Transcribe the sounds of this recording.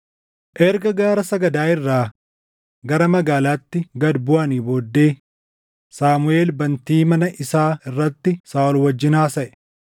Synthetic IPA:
ʔɛɾɡɐɡaːɾɐsɐɡɐd̪aːɪrːaː | ɡɐɾɐmɐɡaːlaːt̪ːɪɡɐd̪bʊʔɐniːboːd̪ːe̞ː | saːmʊe̞ːlbɐnt̪iːmɐnɐʔɪsaːɪrːɐt̪ːɪsaːɔlwɐd͡ʒːɪnaːsɐʔɛ̥

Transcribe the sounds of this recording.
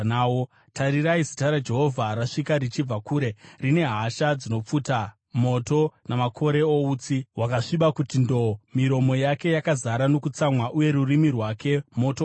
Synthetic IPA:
awo | taɾiɾaisitaɾad͡ʒe̞ɦo̞vʱaɾaʂikaɾit͡ʃib͡vakuːɾe̞rine̞ɦaʃad͡zino̞p͡futa | mo̞to̞namakʰo̞ɾe̞ouːt͡siwakaʂiɓakutindo̞miɾo̞mo̞jake̞jakazaɾano̞kut͡samwaʔuje̞ɾurimirwake̞mo̞to

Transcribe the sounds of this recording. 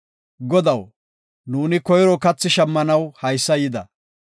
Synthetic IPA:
ɡɔd̪ɐw | nuːnɪkɔjɾɔkɐt͡sːɪʃɐmːɐnɐwhɐjsːɐjɪd̪ɐ

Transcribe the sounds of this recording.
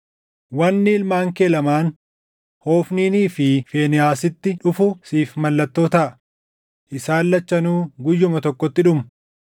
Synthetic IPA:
wɐnːɪɪlmaːŋkeːlɐmaːn | ho̞ːfniːniːfɪfeːnɪjaːsɪt̪ːɪᶑʊfʊsiːfmɐlːɐt̪ːo̞ːt̪ɐʔɐ | ʔɪsaːlːɐt͡ʃːɐnuːɡʊjːʊmɐt̪ɔkːɔt̪ːɪᶑʊmɐ

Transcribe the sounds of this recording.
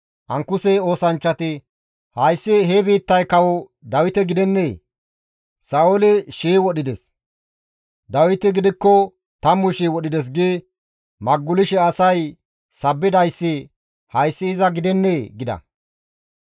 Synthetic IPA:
ʔɐŋkʊsɛo̞ːsɐnt͡ʃːɐt̪ɪ | hɐjsːɪɦɛbiːt̪ːɐjkɐwɔ | d̪ɐwɪt̪ɛɡɪd̪ɛnːeː | sɐoɔlɪʃiːwɔɗɪd̪ɛs | d̪ɐwɪt̪ɪɡɪd̪ɪkːɔ | t̪ɐmːʊʃiːwɔɗɪd̪ɛs̬ɡɪː | mɐɡːʊlɪʃɛɐsɐj | sɐbːɪd̪ɐjsːɪ | hɐjsːɪːɪzɐɡɪd̪ɛnːeːɡɪd̪ɐ̰

